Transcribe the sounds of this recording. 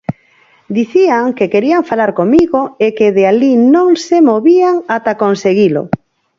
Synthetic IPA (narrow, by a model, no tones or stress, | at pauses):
d̪iθiaŋkekeɾiaɱfalaɾkomiɣoekeðealinõŋsemoβiaŋat̪akonseɣilo̰